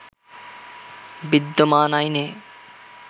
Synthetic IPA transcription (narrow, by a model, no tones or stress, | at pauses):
bid̪ːomaːnajneː